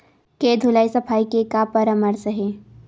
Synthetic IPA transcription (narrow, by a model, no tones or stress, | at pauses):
keːd̪ʱʊlaːisɐpʰaːikekapəɾəmɐɾsəɦeː